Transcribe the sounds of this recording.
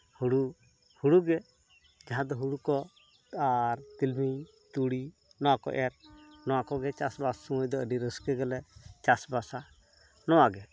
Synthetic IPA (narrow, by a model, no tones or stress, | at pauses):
huɽu | huɽuɡɛ | d͡ʒaɦãd̪ɔɦuɽukɔ | aɾt̪ilmi | t̪uɽi | nɔwakɔ̰ʔɛɾnɔwakɔɡɛt͡ʃasbassuwjd̪ɔəɖiɾəskɛɡɛlɛt͡ʃasbasa | nɔwaɡɛ